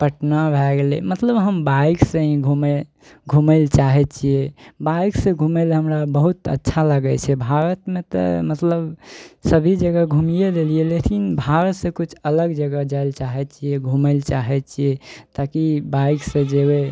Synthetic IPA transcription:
pəʈnabʱɛɡlḛmət̪ləbɦəmbaiksẽĩɡʱume | ɡʱuməlt͡ʃaɦɛt͡ʃʰijebaiksẽɡʱumelɦəmɾabəɦut̪ə̰tːʃʰaləɡɛt͡ʃʰɛbʱaɾət̪mẽt̪ə̰mət̪ləbsəbʱid͡ʒəɡəɡʱumijed̪elielekinbʱaɾət̪sẽkut͡ʃʰələɡd͡ʒəɡəd͡ʒaɪlt͡ʃaɦɛt͡ʃʰieɡʱuməlt͡ʃaɦɛt͡ʃʰijet̪akibaiksẽd͡ʒewe

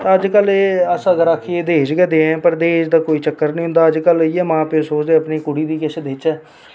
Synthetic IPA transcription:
t̪aəd͡ʒkəleːəsãːɡəɾaːkʰeeːd̪eːd͡ʒɡɛːd̪eɛ̃ːpəɾd̪eːʃd̪aːkoːiːt͡ʃəkːəɾnə̃ĩːɦʊ̃nd̪aːəd͡ʒkəlɪɛːmãːpesoːt͡ʃd̪eːəpniːkʊɽiːd̪iːkɛsed̪eːt͡ʃɛː

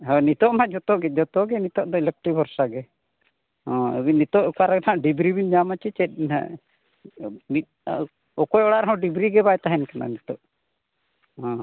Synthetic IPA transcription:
ɦɔnit̪ɔʔmad͡ʒɔt̪ɔɡɛd͡ʒɔt̪ɔɡɛnit̪ɔʔd̪ɔɛlək̚ʈibʱɔɾsaɡɛ | ɔ̰̃init̪ɔʔkaɾaɡnʰãʔɖibɾibinɲamat͡ʃit͡ʃɛt̪̚a̰ | mit̪̚ | ɔkɔjɔɽaɾɔɦɔ̃ɖibɾiɡɛbajt̪aɦɛnkana̰nit̪ɔʔ | ɦɔ̃

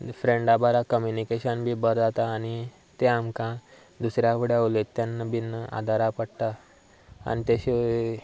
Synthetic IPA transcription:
fɾeɳɖabaɾakəmjunikeɕənbʱiːbəɾd͡zat̪aːni | t̪eamkã | d̪usɾjapəɽeaʋlet̪ːjanːəbinːəʔa̰d̪ʱaɾapəɽt̪a | a̰ñit̪eɕe

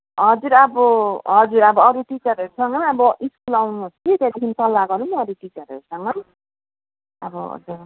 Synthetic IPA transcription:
ɦʌd͡zuɾʌbʌɦʌd͡zuɾʌbʌʌɾuʈit͡sʌɾʌɾusʌŋɡʌnʌbʌʔiskulawnust̪ʰit̪ed̪ikʰint̪ʌlːaɡʌɾumːɾuʈit͡sʌɾʌ̰ɾusʌŋʌn | ʌbʌɦʌ̰d͡zur

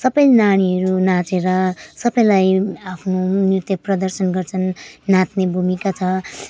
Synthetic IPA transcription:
sʌbʌjnaɽ̃iɦʌɾunãt͡seɾʌsʌbʌjlajapʰnonirt̪jʌprʌd̪ʌrsʌnɡʌrt͡sʰʌnːãt̪nebʱumikat͡sʰʌ

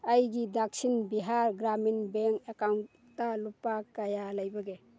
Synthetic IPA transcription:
ajɡidak̚sinbiɦaɾɡɾaminbeŋkekawn | talupakajalajbaɡe

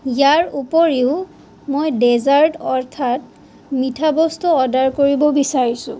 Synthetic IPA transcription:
jaɹupɔɹeʊ | mojdezaɹdɔɹtʰat | mitʰabɔstuɔdaɹkoɹibɔbisaɹisʊ̰̃

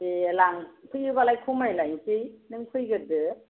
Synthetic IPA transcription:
elaŋpʰɯjɯbalajkʰumajlajŋkijnɯŋpʰɯjɡɯdɯ

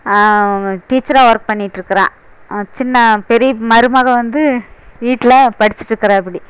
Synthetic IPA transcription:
ʈiːt͡ʃːɐɾaːʋɐɾk̚pɐɳːɪʈːɾɯkːɯɾã̰ː | t͡ʃɪnːɐpɛɾijɐmɐɾɯmaːɣɐʋɐnd̪ɯʋiːʈːɪlɐpɐɽɪt͡ʃːɪ̥ʈːɾɯkːɐɾãːɪp̬ːɐɽi

